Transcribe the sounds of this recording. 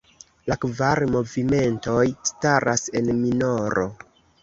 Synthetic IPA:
lakvaɾmo̞vime̞nto̞jstaɾʔase̞nmino̞ɾo̞̰

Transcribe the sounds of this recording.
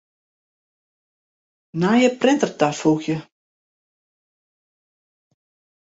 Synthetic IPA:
naːjəprɪntərtarfuxjə

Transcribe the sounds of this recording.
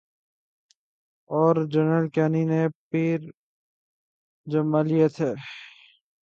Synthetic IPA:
ɔːɾd͡ʒənəlkɛːninepiːɾ | d͡ʒɐmalijet̪ʰeː

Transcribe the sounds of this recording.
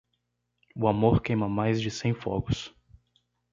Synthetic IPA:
ʊamoɾkẽj̃mɐmajzd͡ʒɪsẽj̃fɔ̰ɡʊs

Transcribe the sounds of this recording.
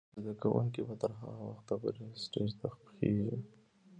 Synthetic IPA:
zd̪akawʊ̰ŋkibat̪əɾɦa̰ɣawaxt̪abəɾisʈed͡ʒt̪axpxeʒi

